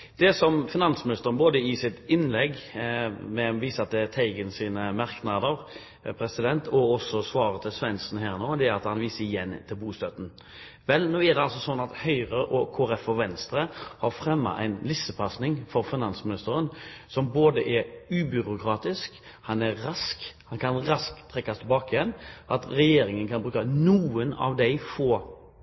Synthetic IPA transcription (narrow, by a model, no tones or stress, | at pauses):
d̪̥ɛsɔmfɪnɑnsmɪnɪst̪əɾənboːd̪əɪsɪt̪ɪnlɛɡ | mɛʋiːsəɑt̪̚d̪ɛt̪ʰæɪɡənsiːnəmɑɾknɑd̪əʁ | pʰɾɛsɪd̪ɛnt̪ʰɔɔsːɔsʋɑːʁət̪ʰɪlsʋɛnsn̩hæːʁnoːd̪ɛæɑt̪hɑnʋiːsəɪjɛnːt̪ʰɪlbuːst̪œt̪n̩ | ʋɛlnoːɛʁd̪ɛɑlsɔsɔnːɑt̪hœʏʁəʔɔkʰoːæɾɛfɔʋɛnst̪ɾəhɑɾfɾɛmːɑ̰ʔæ̰ɪnlɪsəpʰɑsnɪŋfɔɾfɪnɑnsmɪnɪst̪əɾənsɔmboːd̪əʔɛɾʉːbʏɾʊkʰɾɑːt̪ɪsk | hɑnæɾɾɑskhɑnkʰɑnʁɑskt̪ʰːɾɛkːɑst̪ʰɛbɑːkɪjɛnʔɑt̪ɾɛjeːɾɪŋənkʰɑnbɾʉːkɑnuːənɑ̰ʋd̪ɛɪfoː